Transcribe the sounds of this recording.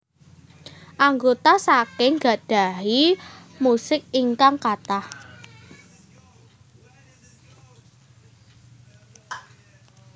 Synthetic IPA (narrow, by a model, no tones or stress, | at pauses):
ʔaŋɡot̪asakɪŋɡa̤ɖ̥a̤ɦimusɪk̚iŋkaŋkat̪ah